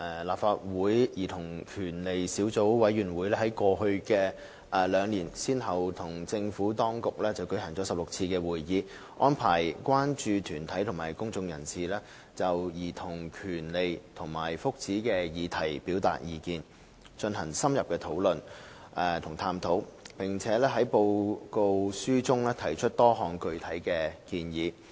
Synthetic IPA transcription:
ʔɛː˨˩laː˨p̚faː˧t̚wuː˨˥jjiː˨˩t̪ʰʊ˨˩ŋkʰyː˨˩nle˨jsiː˨˥wt͡so˨˥wwɐ˨˥jɥyː˨˩nwuː˨˥jlɛː˥hɐ˨˦jkɔː˧ɦɵ˧ɥkɛː˧ | ʔːlœː˨˧ŋliː˨˩nsiː˥nɦɐ˨wt̪ʰʊ˨˩ŋt͡sɪ˧ŋfuː˨˥t̪ɔː˥ŋkʊ˨k̚lɛː˥t͡sɐ˨wkɵ˨˥ɥɦɐ˨˩ŋt͡sɔː˨˥sɐ˨p̚lʊ˨k̚t͡sʰiː˧kɛː˧wuː˨˩jjiː˨˧ | ʔɔː˥npʰaː˨˩jkwaː˥nt͡ʃyː˧t̪ʰyː˨˩nt̪ʰɐ˨˥jt̪ʰʊ˨˩ŋmaː˨˩jkʊ˥ŋt͡sʊ˧ŋjɐ˨˩nsiː˨lɛː˥ | t͡sɐ˨wjiː˨˩t̪ʰʊ˨˩ŋkʰyː˨˩nle˨jt̪ʰʊ˨˩ŋmaː˨˩jfʊ˥k̚t͡siː˨˥kɛː˧jiː˨˧t̪ʰɐ˨˩jpiː˨˥wt̪a̰ː˨t̚jiː˨˧kiː˧n | t͡ʃɵ˧nɦɐ˨˩ŋsɐ˥mjɐ˨p̚kɛː˧t̪ʰo˨˥wlɵ˨n | ʔɛ˨t̪ʰʊ˨˩ŋt̪ʰaː˧mt̪ʰo˨˥wpɪ˨˩ŋt͡sʰɛː˨˥lɛː˥ɦɐ˨˥jpo˧wko˧wsyː˥t͡sʊ˥ŋlɛː˥t̪ʰɐ˨˩jt͡ʃʰɵ˥t̚t̪ɔː˥ɦɔː˨ŋkɵ˧ɥt̪ʰɐ˨˥jkɛː˧kiː˧njiː˨˧

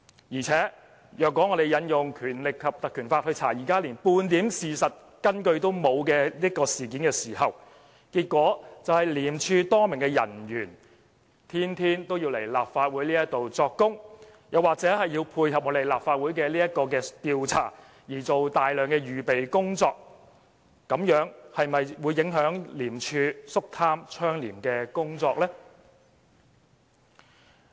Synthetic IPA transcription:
jiː˨˩t͡sʰɛː˨˥ | jœː˨kwɔː˨˥ŋɔː˨˧ɾe˨˩jɐ˨˥njʊ˨ŋkʰyː˨˩nlɪ˨kʰːɐ˨p̚t̪ɐ˨kʰːyː˨˩nfaː˧t̚hɵ˧ɥt͡sʰa̰ː˨˩jiː˨˩kaː˥liː˨˩npuː˧nt̪iː˨˥msiː˨sɐ˨t̚ | kɐ˥nkɵ˧ɥt̪o˥wmo˨˧wkɛː˧liː˥ɐtkɔː˧siː˨˩k̬iː˨˥nkɛː˧siː˨˩ɦɐ˨˩w | kiː˧t̚kʷɔː˨˥t͡sɐ˨whɐ˨˩jliː˨˩mt͡ʃʰyː˧t̪ɔː˥mɪ˨˩ŋkɛː˧jɐ̰˨˩njyː˨˩n | t̪ʰiː˥nt̪ʰiː˥nt̪o˥wjiː˧wle˨˩jlaː˨p̚faː˧t̚wuː˨˥jliː˥jɐ˥t̪o˨wt͡sɔː˧kːʊ˥ŋ | jɐ˨waː˨k̚t͡sɛ˨˥ɦɐ˨jjiː˧wpʰuː˧jhɐ˨p̚ŋɔː˨˧d̪e˨jlaː˨p̚faː˧t̚wuː˨˥jkɛ˧liː˥jɐ˥t̚kɔː˧k̬ɛː˧t̪iː˧wt͡sʰa̰ː˨˩ | jiː˨˩t͡so˨wt̪aː˨jlœː˨˩ŋkɛː˧jyː˨pe˨jkʊ˥ŋt͡sɔː˧k̚ː | ɐ˨˥mjœː˨˥ŋhɐ˨jmɐ˨jwuː˨˧jːɪ˨˥ŋɦœː˨˥ŋliː˨˩mt͡ʃʰyː˧sʊ˥k̚t̪ʰaː˥mt͡ʃʰœː˥ŋliː˨˩mkɛː˧kʊ˥ŋt͡sɔː˧k̚lɛː˥

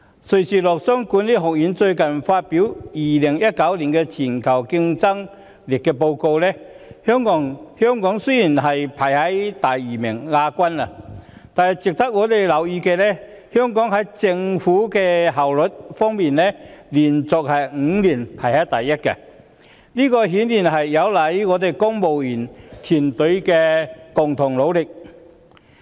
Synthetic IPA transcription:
sɵ˨˩siː˨lɔː˨k̚sœ˥ŋku˨˥nliː˥ɦʊ˨˩k̚jiː˨˥nt͡sɵ˧ɥkɐ˨˩nfaː˧t̚pi˨˥wjiː˨˩lɪ˨˩ŋjɐ˥t̚kɐ˨˥wliː˨˩nkɛ˧t͡sʰiː˨˩nkʰɐ˨˩wkɪ˧ŋt͡sɐ˥ŋ | li˨˩k̚kɛː˧p̬o˧wko˧wlɛ˥ | hœ˥ŋkɔ˨˥ŋhœ˥ŋkɔː˨˥ŋsɵ˥ji˨˩nɦɐ˨jpʰɐ˨˩jhɐ˨˦˥jt̪aː˨ji˨˩mɪ˨˩ŋːaː˧kʷɐ˥na˨t̪aː˨nhɐ˨˩jt͡sɪ˨k̚t̪ʰɐ˥k̚ŋɔː˨˧˥t̪e˨˩jlɐ˨˩wjiː˧kɛː˧lɛ˥ | hœː˥ŋkɔː˨˥ŋɦɐ˨˥jt͡sɪ˧ŋfuː˨˥kɛː˧ɦɐ˨˩wlɵ˨t̚fɔː˥ŋmiː˨nlɛː˥liː˨˩nt͡sɔː˨k̚hɐ˨jŋ̩˨˧˥liː˨˩npʰaː˨˩jhɐ˨˥jt̪ɐ˨jːɐ˥t̚kɛ̰˧ | liː˥kɔː˧ɦiː˨˥nliː˨˩nɦɐ˨jːɐ˨˧wlɐ˨˥jŋɔː˨˧t̪e˨˩jkʊ˥ŋmo˨wjiː˨˩nt̪ʰiː˨˩nt̪ɵ˨˧˥ɥkɛː˧kʊ˨ŋt̪ʰʊ˨˩ŋlo˨˧wlɪ˨k̚

